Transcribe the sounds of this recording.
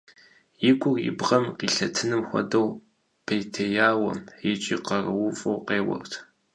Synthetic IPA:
jɪɡʷʊrɪ̰bʁɐmqiːɬɐtʰɨnɨmxʷɔ̰dɐw | pʰejtʰejaːwɐ̰mɪt͡ʃʼiːqɐrɐwʊfʼɐwqeːwɐ̰rtʰ

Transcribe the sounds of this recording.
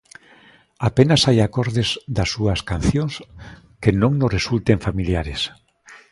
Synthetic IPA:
apenasajakoɾðezd̪asːuaskan̟θjoŋs | kenõŋnoresult̪eɱfamiljaɾes

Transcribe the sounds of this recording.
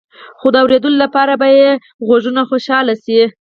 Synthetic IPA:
xod̪əawɾed̪əlolapɑɾabaje | ɣoʒunaxoʃɑlasi

